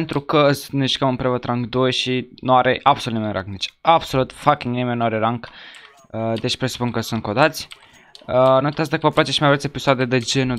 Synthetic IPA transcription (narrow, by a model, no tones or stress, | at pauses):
nt̪ɾukəəsniʃkəmɨmpɾevət̪ɾaŋɡd̪ojʃinuaɾeʔab̥solut̪imenɾa̰ŋɡnet͡ʃabso̞lut̪fakʲiŋɡnimenːuaɾeɾaŋɡ | əd̪et͡ʃʲpɾesu̥punkəsunt̪̚kod̪at̪sʲ | ənot̪as̬d̪akəvəplat͡ʃeʃimajvɾet̪sʲepisoad̪ed̪ed͡ʒenu